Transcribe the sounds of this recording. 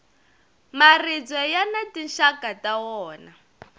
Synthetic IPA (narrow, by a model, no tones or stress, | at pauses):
marid͡zwɔjanatinʃakatawɔːna